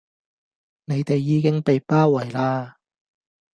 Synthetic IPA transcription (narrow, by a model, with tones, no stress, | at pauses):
ne˨˧jt̪e˨jːiː˨˧kɪ˥ŋpe˨jpaː˥wɐ˨˩jlaː˧